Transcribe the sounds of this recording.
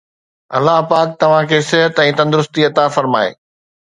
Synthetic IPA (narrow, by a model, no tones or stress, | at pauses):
ɐlːaɦpaːk̚t̪ɐʋ̤ãkʰeːsɪɦət̪ɛ̃ːt̪ɐ̃nd̪ʊɾʊst̪iɐt̪afɐɾma̰ːḛː